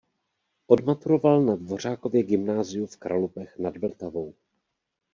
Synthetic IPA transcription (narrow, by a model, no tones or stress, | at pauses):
ʔo̞dmat̪uɾo̞valnadvo̞r̝aːko̞vjɛɡɪmnaːzɪjufkɾʔalupɛxnadbl̩t̪avo̞w